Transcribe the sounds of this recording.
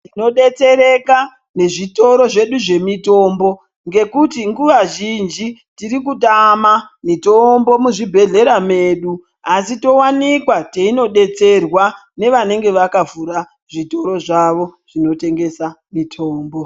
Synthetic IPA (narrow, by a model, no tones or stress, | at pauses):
tino̞ɗe̞t͡se̞ɾe̞ka | ne̞ʐito̞ɾo̞ʐe̞ɗuʐe̞mito̞ːmbo̞ | ŋɡe̞kutiŋɡuʋaʒind͡ʒitiɾikutamamitombo̞muʐibʱe̞ɮe̞ɾame̞ɗu | asito̞wanikwateino̞ɗe̞t͡se̞rwa | ne̞ʋane̞ŋɡe̞ʋakavuɾa | ʐito̞ɾo̞ʐaʋo̞ʐ̥ino̞te̞ŋɡe̞samitʰo̞ːmbo